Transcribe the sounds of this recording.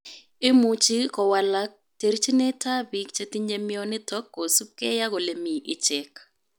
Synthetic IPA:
ɪ˦mu˨t͡ʃi˦kɔ˨wa˨la˦k̚te˨ɾt͡ʃi˦ne˦tʰa˦bi˨˦kt͡ʃe˦ti˦ɲe˦mɪ˦ɔ˦nɪ˦tɔ˦kːo˨su˦ke˦ja˦ɡo˨le˨mi˨ʔɪ˨t͡ʃɛ˨k

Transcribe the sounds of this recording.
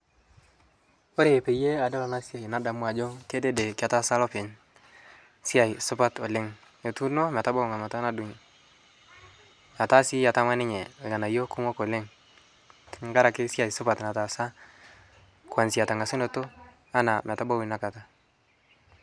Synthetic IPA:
o˦ɾe˨pe˨je˦a˨de˦la˨ŋa˦si˦a˨i˨na˦da˨mu˦a˨d͡ʒo˦ke˦de˦de˨ka˨ta˦sa˦lo˦pɪ˨ɲ | si˦a˨jsʊ˦pa˦to˨le˦ŋ | jo˨tu˦no˦m˨a˨ta˦ba˦u˨ŋa˨ma˨ta˦na˦du˨ŋ | a˨ta˦si˦ja˨ta˦ma˦nɪ˦ɲe˨e˨ŋa˨na˨jo˦ku˦mo˦ko˨le˦ŋ | ti˨ŋɡa˦ɾa˨kɪ˦si˦a˨i˨sʊ˦pa˨tna˨ta˨sa˦ | kwa˨nsi˨a˨ta˨ŋa˨si˦no˨to˦ | a˦na˨m˨ta˦ba˦wu˨na˨ka˨ta˨

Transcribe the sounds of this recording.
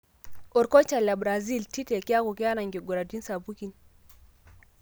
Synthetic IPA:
ɔ˨ɾko˦t͡ʃa˨la˨bɾa˨zi˦˨lti˦te˨ke˦a˦ku˨ke˦a˦na˨ŋɡe˨ɡu˨ɾa˨di˦nsa˨bu˦ki˨n

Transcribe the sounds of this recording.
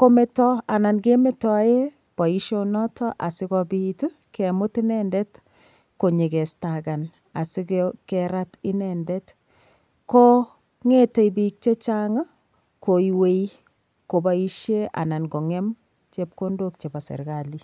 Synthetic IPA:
ko˦me˨tɔ˦a˨na˨nke˦metɔ˨˦je˦ | pa˨i˦ʃo˦nɔ˦tʰɔ˦ʔa˨sɪ˦kɔbitu˦ | kemʊ˦ti˦nɛndɛ˦t | ko˨ɲe˨kɛ˨staka˨n | a̰˨si˦kkɛɾa˦tɪ˦nɛndɛ˦t | ko˦ | ŋe˦te˨jbi˨k̚t͡ʃe˦t͡ʃa˦ŋa˦ | kʰo˨iwe˦j | ko˨bai˦ʃje˦a̰˨na˨nko˨ŋɛ˦m | t͡ʃe˦p̚ko˦ndo˦k̚t͡ʃe˨ba˨sḛ˨ɾka˨li

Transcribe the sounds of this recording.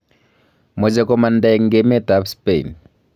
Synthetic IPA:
mɔ˨d͡ʒɛ˨kɔma˨nda˨ŋɡemɛ˦ta˦pspe˨ḭ˨n

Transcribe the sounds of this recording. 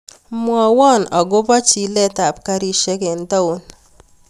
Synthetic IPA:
mwɔ˨wɔ˦˨nɔ˨ɡʊ˦bɔ˦t͡ʃi˨lɛ˦ta˨p̚ka˦ɾi˦ʃɛ˦kɛ˨ntɔ˦u˨n

